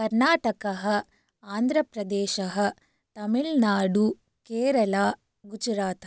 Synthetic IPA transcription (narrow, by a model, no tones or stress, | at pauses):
kɐɾnaːʈɐkɐɦɐ | aːnd̪ʱɾɐpɾɐd̪eːʃɐɦɐ | t̪ɐmiɭnaːɖu | keːɾɐlaː | ɡud͡ʒuɾaːt̪